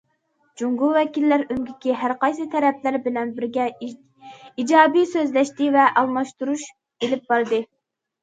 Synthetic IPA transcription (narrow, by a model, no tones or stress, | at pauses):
d͡ʒuŋɡuwɛkʲilːæɾymɡʲikʲiɦæɾqɑjsɨt̪ʰɛɾɛplæɾbɪlɛnbɪɾɡʲɛ | id͡ʒɑːbijsøzlɛʃt̪ɪvɛʔɑlˠmɑʃt̪uɾuʃ | elɪp̚bɑɾd̪ɨ